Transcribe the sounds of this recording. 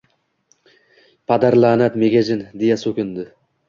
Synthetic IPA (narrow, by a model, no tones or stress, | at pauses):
pʰad̪aɾlˠaːnat̪meɡʲad͡ʒɪnd̪ejasɵkʲɪnd̪ɪ